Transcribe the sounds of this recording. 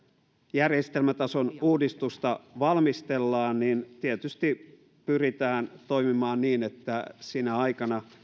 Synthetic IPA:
jærjest̪elmæt̪ɑsonuːdist̪ust̪ɑʋɑlmist̪elːɑːnnint̪iet̪yst̪i | pyrit̪æːnt̪oimimɑːnniːnet̪ːæsinæɑikɑnɑ

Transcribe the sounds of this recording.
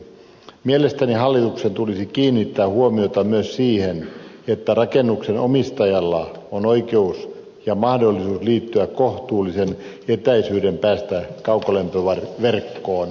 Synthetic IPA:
mielest̪æniɦɑlːit̪uksent̪ulisikiːnːit̪ːæːhuomiot̪ɑmyøssiːhenet̪ːærɑkenːuksenomist̪ɑjɑlːɑonoikeus | jɑmɑhdolːisuːsliːt̪ːyækkoht̪uːlːˑisen | et̪æisyːdempæːst̪ækɑukolempøʋɑrʋerkːoːn

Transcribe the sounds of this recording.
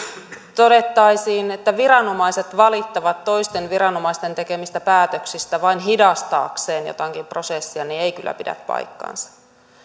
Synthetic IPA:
t̪ode̞t̪ːɑjsiːnet̪ːæʋiɾɑno̞mɑjse̞t̪ʋɑlit̪ːɑʋɑt̪ːo̞ist̪e̞nʋiɾɑno̞mɑist̪e̞nt̪e̞ke̞mist̪æpæːt̪øksist̪æʋɑinɦidɑst̪ɑ̰ːkseːnjo̰t̪ɑŋkimpro̞sesːiɑniejkylːæ̰pidæ̰t̪pɑ̰jkːɑ̰nsɑ̥

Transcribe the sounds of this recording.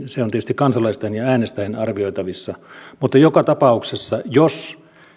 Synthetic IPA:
seoniet̪yst̪ikɑnsɑlɑˑist̪ɑnjɑæːnest̪æhenɑrʋioˑit̪ɑʋisːɑmut̪ːɑjokɑt̪ɑpɑˑuksesːɑjos

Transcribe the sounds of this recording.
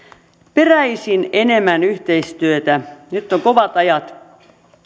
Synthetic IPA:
peræisinenemænyht̪eist̪yøt̪ænyt̪ːoŋkoʋɑt̪ɑjɑt̪

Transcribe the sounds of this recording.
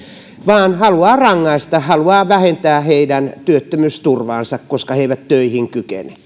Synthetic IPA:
ʋɑːnhɑluɑːrɑŋːɑist̪ɑhhɑluɑːʋæhent̪æːheidænt̪yøt̪ːømyst̪urʋɑ̰ːnsɑkkoskɑheiʋæt̪tøihiŋkykḛne̥

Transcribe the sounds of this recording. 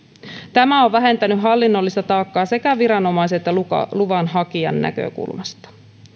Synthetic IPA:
t̪æmæoʋʋæɦe̞nt̪ænyɦɑlːinːolːist̪ɑt̪ɑːkːɑːse̞kæʋiɾɑno̞mɑjs̬et̪ːæɑ̰luʋɑnɦɑkiɑ̰nːæ̰kø̰kṵlmɑst̪ɑ̥

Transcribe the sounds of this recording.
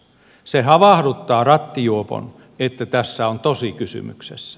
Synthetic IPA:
sehɑʋɑhdut̪ːɑːrɑt̪ːijuopo̰n | et̪ːæt̪æsːæont̪osikysy̰my̰ksḛsːæ̥

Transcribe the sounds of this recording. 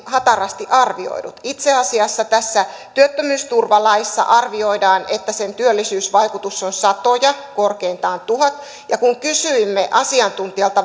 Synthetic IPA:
hɑt̪ɑrɑst̪iʔɑrʋio̰idut̪it̪seɑsiɑsːɑt̪æsːæ | t̪yøt̪ːømyːst̪urʋɑlɑisːɑ̰ʔɑrʋio̞idɑːnet̪ːæsent̪yølːisyːsʋɑikut̪usːonsɑt̪ojɑkorkeint̪ɑːnt̪uhɑt̪ | jɑkuŋkysyimːeʔɑsiɑnt̪unt̪iɑlt̪ɑ

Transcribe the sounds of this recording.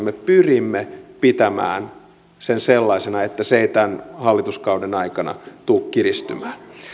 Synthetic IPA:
mːepyrimːepit̪æmæ̰ːn | senselːɑisenɑet̪ːæseit̪ænhɑlːit̪uskɑudenɑikɑnɑ̰t̪uːkkirist̪y̰mæːn

